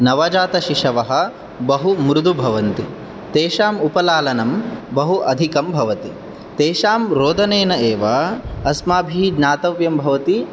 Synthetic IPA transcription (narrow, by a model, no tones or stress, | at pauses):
nɐʋɐd͡ʒaːt̪ɐʃiʂɐʋɐɦɐ̆ | bɐɦumɾud̪ʱubʱɐʋɐnt̪i | t̪eːʃaːmupɐlaːlɐnɐmbɐɦuʔɐd̪ʱikɐmbʱɐʋɐt̪i | t̪eːʃaːmɾoːd̪ʱɐneːnɐeːʋɐɐsmaːbʱid͡ʒnaːt̪ɐʋjɐmbʱɐʋɐt̪i